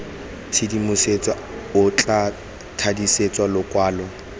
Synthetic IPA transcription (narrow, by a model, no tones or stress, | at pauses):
t͡sʰɪdimʊset͡sʼa | ʊt͡ɬʼa | tʰadiset͡sʼwalʊkʼwaːlɔ